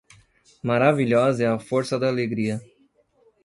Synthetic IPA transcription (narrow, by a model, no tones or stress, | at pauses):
maɾaviʎɔzɛɐfoɾsɐd̪aːleɡɾiɐ